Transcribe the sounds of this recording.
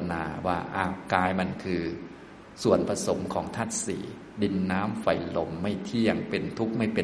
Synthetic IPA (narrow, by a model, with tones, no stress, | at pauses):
na̰ː˧waː˥˩ʔaː˧˩kaː˧jma˧˩nkʰɯː˧ | su˨˩ənpʰa˧so˩˦mkʰɔː˩˦ŋt̪ʰa˥˩t̪̚sḭː˨˩˦ | di˧nːaː˦˥mfa˨˩jlo˨˩˦mːa˥˩jt̪ʰi˥˩˥əŋpe˧nt̪ʰu˦˥k̚ma˥˩jpe˧